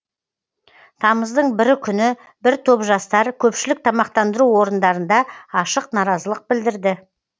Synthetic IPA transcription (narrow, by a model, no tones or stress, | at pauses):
t̪ʰɑməzd̪əɴbɪɾɪkʲʰʏnɪ | bɪɾt̪ʰo̞pʒɑst̪ɑɾkʲʰɵpʃɪlɪk̚t̪ʰɑmɑq̚t̪ɑnd̪əɾuwo̞ɾənd̪ɑɾənd̪ɑɑʃəqnɑɾɑzəlˠəq̚bɪld̪ɪɾd̪ɪ